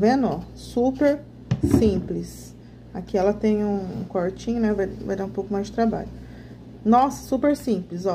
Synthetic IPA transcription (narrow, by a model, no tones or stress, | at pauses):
vẽnɔ | supeɾ | sĩplɪs | akiɛlɐt̪ẽj̃ũṵ̃koɾt͡ʃĩɲʊnɛvajvajd̪aɾũpowkʊmajzd͡ʒɪt̪ɾaba̰ʎʊ | nɔsɐ̥supeɾsĩplɪzɔ